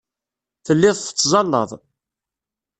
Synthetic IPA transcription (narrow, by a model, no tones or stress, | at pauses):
θəlːɪðˤθə̥t͡sːzˤɑlːə̰ðˤ